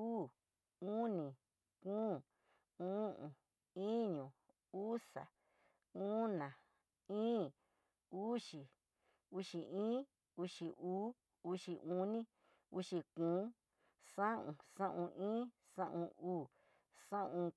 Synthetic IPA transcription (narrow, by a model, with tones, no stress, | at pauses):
uː˦ | ũ˦nĩ˨ | kũː˦ | ũ˦ʔũ˨ | ĩ˦ɲũ˨ | u˦sa̰˨ | ũ˦nã˨ | ĩː˦ | u˦ʃi˨ | u˦ʃi˧ʔĩː˦ | u˧˦ʃi˧ʔuː˦ | u˧˦ʃi˧ũ˦nĩ˦ | ṵ˦ʃi˧kũː˨˦ | sã˦ũ˧sã˦ʔũ˧ʔĩː˦ | sã̰˦ʔũ˧uː˦˨ | sã˦ũ˧